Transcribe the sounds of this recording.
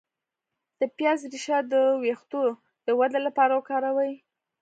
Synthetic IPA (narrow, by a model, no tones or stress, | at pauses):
d̪̥əpjɑzɾiʃɑd̪əwext̪o | d̪̥əwad̪alapɑɾawəkɑɾawaj